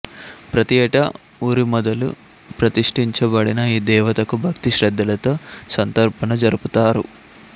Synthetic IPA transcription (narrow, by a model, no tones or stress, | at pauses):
pɾɐt̪ɛʈɐ | uːɾimɔd̪ɐlṵ | pɾɐt̪iʂʈiɲt͡ʃɐbɐɽinɐiːd̪ɛːʋɐt̪ɐkubʱɐkt̪iʃɾɐd̪ʱːɐlɐt̪oːsɐnt̪ɐɾpɐnɐd͡ʒɐɾuput̪aːɾṵ